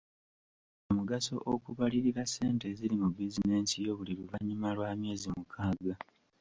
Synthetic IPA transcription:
omuɡaso̞ʔokuβaliɾiɾasːe̞ːnte̞ziɾimubizine̞ːnsijo̞βuliɾuvaɲimalwaːmje̞ːzimukʰaːɡa

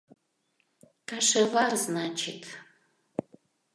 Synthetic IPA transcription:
kʰaʂɐvarznaːt͡ʃʰɪtʰ

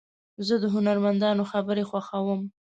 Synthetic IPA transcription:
zəd̪əɦʊnaɾmand̪ɑnoxabəɾexwaxawəm

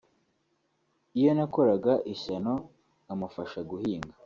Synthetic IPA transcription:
ijo̞nako̞ɾaɡaʔiçano̞ | amufaʃaɡuhiːŋɡa

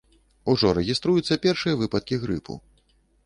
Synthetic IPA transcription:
uʐɔɾɛɣʲist̪ɾujut̪sːɐpʲɛrʂɨjɐvɨpɐt̪̚kʲiɣɾɨpʰṵ

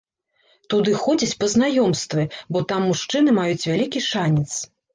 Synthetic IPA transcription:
t̪ud̪ɨxɔd͡zʲit͡sʲpɐznajɔmst̪vʲɨbɔt̪amːuʂt͡ʂɨnɨmajut͡sʲvʲalʲikʲiʂanʲɛt̪s

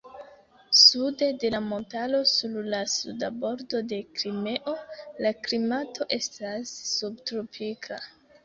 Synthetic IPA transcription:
sude̞de̞lamo̞ntalo̞suɾlasṵdabo̞ɾdo̞de̞kɾime̞ʔo̞laklimatʰo̞ʔe̞stasːubtɾo̞pʰikʰa

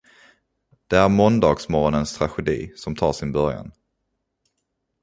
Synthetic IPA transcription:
d̪̥ɛæɾmɔnd̪ɑːɡsmɔɾɔnənst̪ʰɾaɧɛd̪ḭːsɔmt̪ʰɑːʂɪnbœɾja̰n

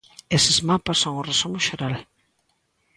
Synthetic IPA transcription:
esɪzmapasːoŋʊresomʊʃeɾal

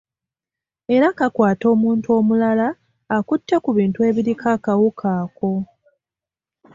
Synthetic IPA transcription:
e̞ɾakakwaːto̞ːmuːntuo̞ːmulalaː | kutːekuβiːntue̞ːβiɾikʰakawukʰaːko̞

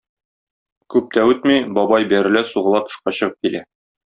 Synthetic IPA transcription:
kʉp̚t̪æʉt̪mibɒbɑjbæɾɘ̆læsuʁɤ̆lˠɑt̪ŏ̥ʃqɑɕɤ̆ʁɤp̚kilæ

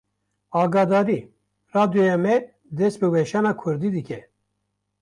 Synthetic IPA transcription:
ɑːɡɑːd̪ɑːɾi | raːd̪jojɛmɛ | d̪ɛst̪̚bɨwɛʃɑːnɑːkʰʊɾd̪iːd̪ɨkʲɛ

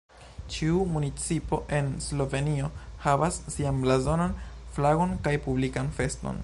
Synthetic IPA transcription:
t͡ʃiumunit͡sipo̞ʔe̞nslo̞ve̞nio̞havasːianblazo̞nanflaɡo̞nkajpublikanfe̞sto̞̰n

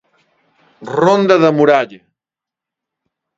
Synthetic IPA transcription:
rond̪əðəmuɾaʎɐ

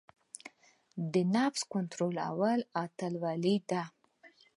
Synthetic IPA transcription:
d̪ənɑfskont̪ɾola̰walɑt̪alwɑlid̪a

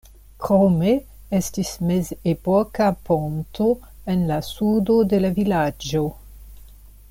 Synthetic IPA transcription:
kɾome | estismezepokaponto | enlasudo̞de̞lavilad͡ʒo̞

